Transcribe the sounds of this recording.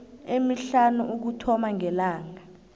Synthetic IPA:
emiɬanuʔuk̬utʰɔmaŋɛlaːŋa

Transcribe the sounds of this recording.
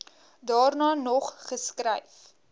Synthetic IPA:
dɑːrnɑːnɔχχəskrɛjf

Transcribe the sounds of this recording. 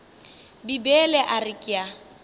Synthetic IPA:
bibɛlɛʔarɪkʼɪja

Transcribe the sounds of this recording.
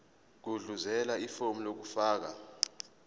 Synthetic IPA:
k̬uɮuzɛlaifomulok̬ufaːk̬a

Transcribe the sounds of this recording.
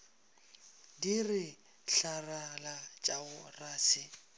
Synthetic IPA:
dirɪ | ɬaralat͡ʃʼaʊraːsɪ

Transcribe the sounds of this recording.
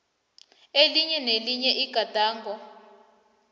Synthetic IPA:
eliɲɛneliɲɛʔiɡ̥ʱad̥ʱaːŋɡʱɔ

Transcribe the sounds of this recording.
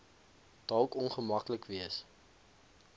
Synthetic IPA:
d̥ɐlˠkɔnχəmɐkləkviəs

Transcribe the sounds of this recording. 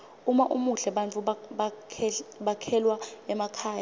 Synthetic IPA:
umaʔumuɬɛɓant͡fʰʼuɓa | ɓakʰɛlwaɛmakʰaːja

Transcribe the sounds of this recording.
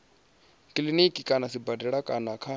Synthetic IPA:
kʼilinikʼikʼanasibadɛɺakʼanakʰa

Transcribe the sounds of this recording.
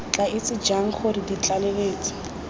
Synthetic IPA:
t͡ɬʼaɪt͡sʼɪd͡ʒaŋ̩χʊridit͡ɬʼaleɣeːt͡sʼɪ̥

